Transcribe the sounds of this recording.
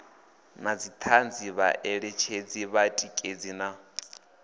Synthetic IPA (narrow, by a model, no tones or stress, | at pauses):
nad͡zit̪ʰand͡ziβa̰ʔɛɺɛt͡ʃʰed͡ziβatʼikʼed͡zina